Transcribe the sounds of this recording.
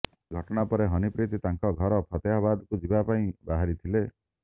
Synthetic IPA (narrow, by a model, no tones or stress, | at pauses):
ɡʱɔʈɔɽ̃apɔɾeɦɔnipɾit̪it̪aŋkɔɡʱɔɾɔpʰɔt̪eabad̪ɔkud͡ʒibapaĩbaɦaɾit̪ʰile